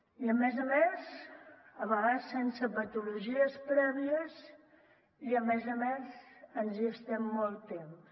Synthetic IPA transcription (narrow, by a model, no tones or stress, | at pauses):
iəmɛzəmez | əβəɣasensəpət̪uluʒiəspɾɛβiəz | iəmɛzəmɛzənzist̪ɛmːɔlˠt̪em